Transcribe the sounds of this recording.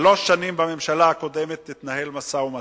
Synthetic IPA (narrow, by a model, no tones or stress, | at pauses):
loʃːanimbame̞mʃalaako̞d̪e̞met̪lit̪nahe̞lmasauma